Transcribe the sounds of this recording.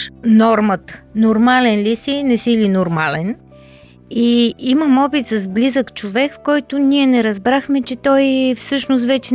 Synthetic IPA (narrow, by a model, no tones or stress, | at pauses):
nɔɾmət̪ə̥noɾmalɛnlisinɛsilinoɾmalɛn | iiməmɔbit̪sɐzblizəkt͡ʃovɛkfkɔjt̪ʊniɛnɛɾɐzbɾaxmɛt͡ʃɛt̪ɔjfsɤʃnʊst̪vɛt͡ʃɛ